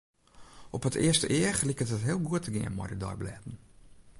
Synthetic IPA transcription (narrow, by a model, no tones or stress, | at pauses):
ʔɔphətʰɪəstəʔɪəxlikətɦətɦɪəlˠɡuətʰəɡɪ̰ənmɔ̰jdədɔ̰jblɛːtn̩